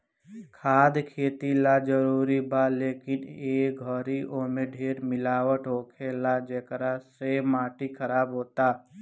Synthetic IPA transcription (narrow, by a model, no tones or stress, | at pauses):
kʰaːd̪kʰeːt̪ilad͡ʒəɾuːɾibaleːkɪneːɡʱɔɾioːmẽɖʱeːɾmɪlaːwəʈɦoːkʰelad͡ʒeːkɾasemaːʈikʰəɾaːbɦoːt̪aː